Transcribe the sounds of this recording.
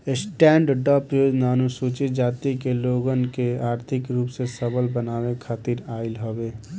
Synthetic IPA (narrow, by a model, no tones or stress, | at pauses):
esʈɛ̃ːɳɖɖəpɾəjoːd͡ʒnanusuːt͡ʃid͡ʒaːt̪ikeloːɡənkeaːɾt̪ʰɪkɾuːpsesəbəlbənaːwekʰaːt̪iɾaːɪlɦobeː